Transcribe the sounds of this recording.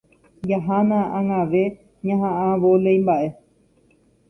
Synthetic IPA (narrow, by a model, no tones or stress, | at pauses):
jaɦanããŋãʋe̞ | ɲãɦãʔãʋolejmbaʔe̞